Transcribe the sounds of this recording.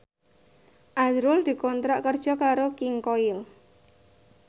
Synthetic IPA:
ʔazɾʊld̪̥i̤kɔnt̪ɾaʔkərd̥ʒ̥ɔ̤kaɾokɪŋkoɪl

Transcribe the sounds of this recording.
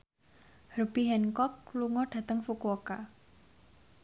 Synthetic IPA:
hərb̥iɦɛnkɔk̚luŋɔɖ̥a̤t̪əŋfukuɔka

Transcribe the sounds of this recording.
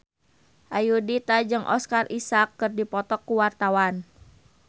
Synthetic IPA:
ʔajudit̪ad͡ʒɨŋʔɔ̰skarisakːɨrdipɔt̪ɔkːuwart̪awan

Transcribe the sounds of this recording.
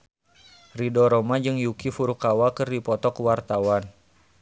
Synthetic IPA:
ridɔɾɔmad͡ʒɨŋjukifuɾukawakɨrdipɔt̪ɔkwart̪awan

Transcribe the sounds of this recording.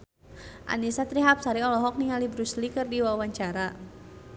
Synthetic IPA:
ʔa̰nisat̪ɾiɦap̚saɾiɔlɔɦɔk̚niŋalibɾuslikɨrdiwawaɲt͡ʃaɾa

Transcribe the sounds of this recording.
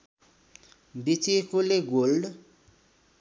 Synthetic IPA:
bit͡sikoleɡolɖ

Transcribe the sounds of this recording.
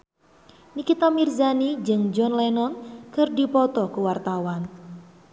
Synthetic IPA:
nikit̪amirzanid͡ʒɨŋd͡ʒɔnlɛnɔnkərdipɔt̪ɔkuwart̪awan

